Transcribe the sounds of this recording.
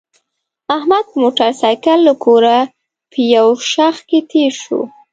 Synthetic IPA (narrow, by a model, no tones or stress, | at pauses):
ahmad̪̚moʈaɾsajkalːəkoɾa | pʰəjawʃaxket̪ʰeɾʃṵ